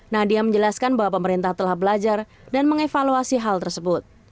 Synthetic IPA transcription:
nahdiaməɲd͡ʒəlaskanbaɦwapəməɾint̪aht̪əlahbəlad͡ʒar | danməŋefaluasiɦalt̪ərsəbʊt̪̚

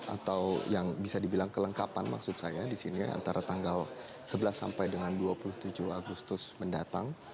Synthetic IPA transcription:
ʔa̰t̪awjaŋbisadibilaŋkələŋkapanma̰ksʊt̪̚sajadisinia̰nt̪aɾat̪aŋɡal | səbəlasːa̰mpajdəŋanduapulʊht̪ud͡ʒʊhaɡust̪ʊsməndat̪aŋ

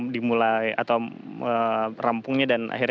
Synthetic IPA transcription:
dimulaja̰t̪awərampʊŋɲadanʔa̰ɦir

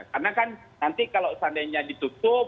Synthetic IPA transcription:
karnakan | nant̪ikalosandaɲadit̪ut̪ʊ

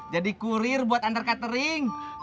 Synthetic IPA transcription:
d͡ʒadikuɾɪrbuat̪ant̪ərkat̪əɾɪŋ

